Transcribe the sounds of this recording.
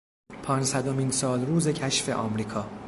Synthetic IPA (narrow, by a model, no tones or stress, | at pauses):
pʰɒːnsæd̪o̞miːnsɒːlɾuːze̞cʰæʃfe̞̰ʔɒːmɾiːkʰɒː